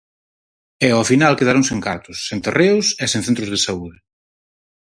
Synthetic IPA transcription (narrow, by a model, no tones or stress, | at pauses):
ɛɔfinalkeðaɾõŋsẽŋkaɾt̪ʊsːent̪ereʊsesẽŋ̟θent̪ɾʊzðesauðɪ